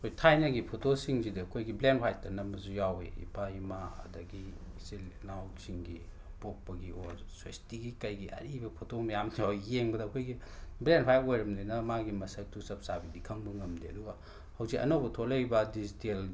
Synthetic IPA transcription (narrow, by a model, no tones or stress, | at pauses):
kʰojtʰajnɐɡipʰotosiŋzidiɐkʰojɡiblenpʰajt̚ːɐnɐmɐzujawḛḭpʰaimaɐ̰dɐɡi | silnawksiŋɡi | pok̚pɐɡiʔoɾswestiɡikɐjɡiʔɐ̰ɾibɐpʰotomɐjamdijajeŋbɐdɐːkʰojɡi | blenpʰajtojɾɐmdinɐmaɡimɐsɐk̚tʰusɐp̚sabidikʰɐŋbɐŋɐmdiɐ̰duɡa | hɐwzikɐ̰nobɐtʰolɐjbɐdizitel